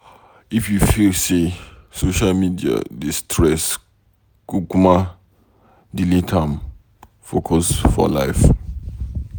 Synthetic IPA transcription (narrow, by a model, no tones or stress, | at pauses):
ifjufilsesoʃalmidia̰distʰɾɛs | kukumã | dilĩtʰãm | fokʰɔsfɔ̰laɪf